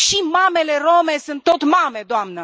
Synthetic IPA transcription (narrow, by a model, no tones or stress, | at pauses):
ʃimame̞le̞ro̞me̞sɨnt̪ːo̞t̪mame̞d̪oamnə